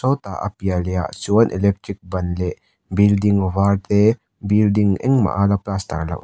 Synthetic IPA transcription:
sɔt̪a̰ʔɐ̰pijalejasuɐnʔḭlek̚tɾik̚bɐnle | bildiŋwaɾt̪e | bildiŋɛ̰ŋma̰ʔalaplast̪a̰ɾla̰ʔ

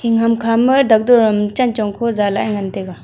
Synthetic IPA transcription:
hiŋɦɐmkʰamɯɾd̪ɐk̚d̪ɔɾmt͡ʃɐnt͡ʃɔŋkʰozalaŋɐnt̪eɡa

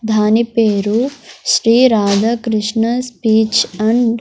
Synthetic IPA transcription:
d̪ʱaːnipeːɾuʃɾiːɾaːd̪ɐkɾiʂɳɐspiːt͡ʃɐɳɖ

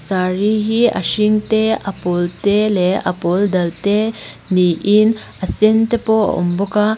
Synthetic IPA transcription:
t͡ʃaɾiɦiɐ̰ʃiŋteɐpɔlteleɐ̰pold̪ɐlt̪e | niʔin | ɐsent̪epo̰ṵmbɔka

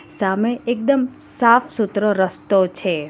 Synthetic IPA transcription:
sameek̚d̪əm | safsut̪ɾəɾəst̪ot͡ʃʰe

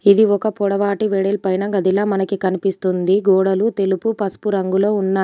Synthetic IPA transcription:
id̪iɔkɐpɔɽɐʋaːʈiʋɛɽɛlpɐjnɐɡɐd̪ilaːmɐnɐkikɐnipist̪und̪iɡɔːɽɐlut̪e̞lupupɐspuɾɐŋɡulo̞ːunːaː

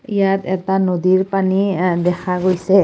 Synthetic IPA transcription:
ijatɛtanodiɹpanidɛkʰaɡojsɛ

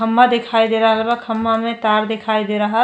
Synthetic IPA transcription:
əmːad̪ekʰaːid̪eɾaɦlebəkʰəmːamẽt̪aːɾd̪ekʰaːid̪eɾaɦa

